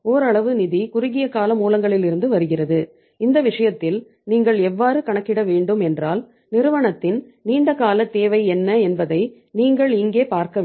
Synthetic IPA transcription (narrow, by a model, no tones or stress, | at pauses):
oːɾɐɭɐʋɯnɪðikʊɾɪɣɪjɐkaːlɐmuːlɐŋɡɐɭɪlɪɾɯnd̪ɯʋɐɾɯɣɪrɐðɯ | ɪnd̪ɐʋɪʂɐjɐt̪ːɪl | niːŋɡɐɭɛʋːaːɾɯkɐɳɐkːɪɽɐʋeːɳɖɯmɛndraːl | nɪɾɯʋɐɳɐt̪ːɪnniːɳɖɐkaːlɐt̪ːeːʋɐɪɛnːɐɛnbɐðɐɪ | niːŋɡɐɭɪŋɡeːpaːɾkɐ